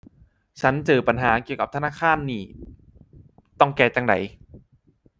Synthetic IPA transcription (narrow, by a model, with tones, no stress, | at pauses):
t͡ɕʰa˦˥nt͡ɕɤː˨˩pa˨nɦaː˩˦ki˨˩əwka˨˩t̪ʰa˧˦naː˥˩kʰaː˥˨nːiː˨˩ | t̪ɔ˥˩ŋkɛː˧˩t͡ɕa˧ŋda̰˨˦j